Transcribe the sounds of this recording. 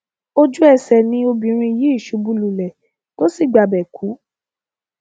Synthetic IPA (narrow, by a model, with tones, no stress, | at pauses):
o˦d͡ʒu˦ɛ˦˨sɛ˨nĩ˧o˧bĩ˨ɾ̃ĩ˧i˧˨ji˨˦i˦˨ʃu˨˧˦bu˧˦lu˨lɛ˨ | to˦si˦˨ɡ͡ba˨bɛ˨kʰu˨˦